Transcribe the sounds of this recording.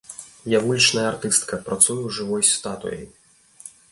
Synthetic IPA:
javulʲit͡ʂnɐjɐart̪ɨst̪kɐpɾat̪sujuʐɨvɔjsʲt̪at̪ṵjɛ̰j

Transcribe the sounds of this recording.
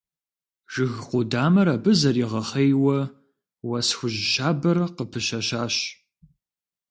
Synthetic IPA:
ʒ̥ɨɣqʷʊdaːmɐɾabɨzɐriʁɐχejwɐ | wɐsxʷʊʑʃaːbɐrqəpʰɨʃɐʃaːɕ

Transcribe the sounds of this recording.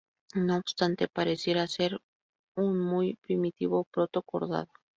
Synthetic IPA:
no̞ːbst̪ant̪e̞paɾe̞sje̞ɾase̞ɾ | unmujpɾimit̪iβo̞pɾo̞t̪o̞ko̞̰ɾða̰ðo

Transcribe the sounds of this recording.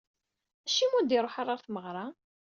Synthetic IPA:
æʃːimund̪iɾˤoħɑrˤːɑɾˤθməʁɾˤɑ

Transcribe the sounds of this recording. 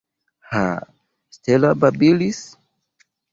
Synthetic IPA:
ha̰ | stʰelababilis

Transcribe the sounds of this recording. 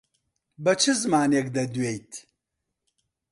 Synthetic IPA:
bɐt͡ʃʰɨzɨmaːnek̚d̪ɐd̪wejt̪ʰ

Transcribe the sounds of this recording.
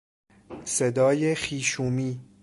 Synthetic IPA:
sed̪ɒːjexiːʃuːmiː

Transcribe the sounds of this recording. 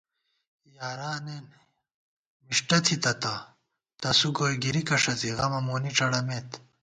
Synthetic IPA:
jaːɾaːneːn | miʂʈɐt̪ʰit̪ɐt̪a | t̪ɐsuɡoːjɡiɾikɐʂɐt͡siɣɐmɐmoːniʈ͡ʂɐɽɐmeːt̪

